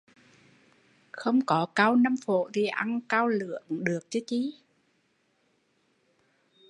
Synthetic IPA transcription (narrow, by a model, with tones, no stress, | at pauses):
xə˧wŋ͡mkɔ˨˦kaː˧wna˧mfo̰˧˨t̪ʰi˨˩ʔa˧ŋkaː˧wlɨ̰˧˨əŋɗɨ˨˩ək̚t͡ɕɨ˨˦t͡ɕi˧˦